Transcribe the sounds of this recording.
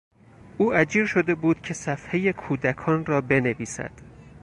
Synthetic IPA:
ʔuːæd͡ʒiːɾʃo̞d̪e̞buːd̪̥̚cʰe̞sæfhe̞je̞kʰuːd̪ækʰɒːnrɒːbe̞ne̞viːsæ̰d̪̥

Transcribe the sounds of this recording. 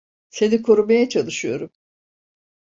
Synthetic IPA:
senikʰo̞ɾumajat͡ʃʰalˠɯʃɯjo̞̰ɾum

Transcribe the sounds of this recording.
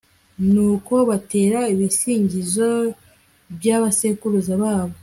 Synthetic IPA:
nuːko̞βate̞ːɾaiβisiːɲɟizo̞ | bjaβasekuɾuzaβaːβo

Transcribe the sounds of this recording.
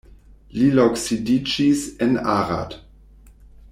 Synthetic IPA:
liloksidid͡ʒisɛnaʁa̰d

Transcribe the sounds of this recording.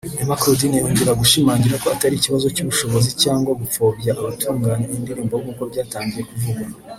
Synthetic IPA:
emakɾudinijoːɲɟiɾaɡuʃimaːɲɟiɾako̞ataɾiciβazo̞cuβuʃo̞βo̞zicaːŋɡwaɡup͡foːbɟaʔaβatʰuːŋɡaːnenindeɾiːmbowumukoubɟaːtaːɲɟije̞kuvuɡa

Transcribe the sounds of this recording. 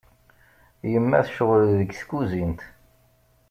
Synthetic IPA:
jəmːæ̰θʃəʁlðəɡθkːuzint̪

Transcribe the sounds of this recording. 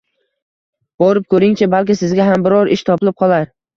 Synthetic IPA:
b̥ɒɾɪp̚kʰɵɾɪŋt͡ʃʰabalkʲɪsɪzɡʲaɦambɪɾɒɾʔɪʃt̪ʰɒpɪlɪp̚qʰɒlˠaɾ

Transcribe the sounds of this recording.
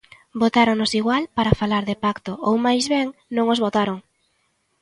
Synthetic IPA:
bot̪aɾoŋnosiɣwalpaɾafalaɾðɪpakt̪oowmajzβɛŋnõŋozβot̪aɾoŋ

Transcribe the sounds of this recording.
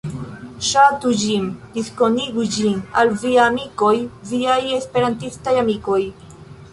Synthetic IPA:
ʃatud͡ʒindisko̞niɡud͡ʒinalviaːmiko̞jviaje̞spe̞ɾantistajamiko̞j

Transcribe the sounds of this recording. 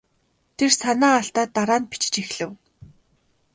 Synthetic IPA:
t̪ʰersanaːaɬt̪aːt̪ːaɾaːnpi̥t͡ɕɪ̥̆t͡ɕixɮ̥ɘ̆w

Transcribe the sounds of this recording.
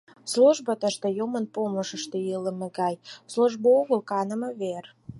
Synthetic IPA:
sluʒbət̪ə̆ʃt̪ĕjomənpoməʃəʃt̪ejələ̆meɡɑjsluʒbooɣəlkɑnə̆mə̆βer

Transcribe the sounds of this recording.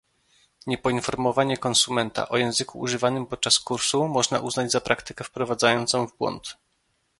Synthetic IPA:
ɲɛpɔinfɔɾmɔvaɲɛkɔnsumɛnt̪a̰ʔɔjɛ̃w̃zɘkṵːʐɘvanɘmpɔt̪̚t͡ʂaskuɾsumɔʐnaʔuznad͡ʑzapɾʔakt̪ɘkɛfpɾɔvad̪zajɔnt̪sɔ̃w̃vbwɔ̰nt̪

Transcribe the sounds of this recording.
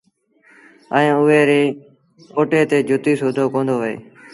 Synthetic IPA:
əẽːʊeːɾeː | oːʈeːt̪eːd͡ʒʱʊt̪iːsʊːd̪ʱoːkõːnd̪oːʋəḛː

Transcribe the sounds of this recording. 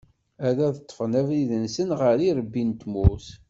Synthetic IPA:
æðæðət̪ˤːfənæviðənsənʁəɾiɾəbːint̪muθ

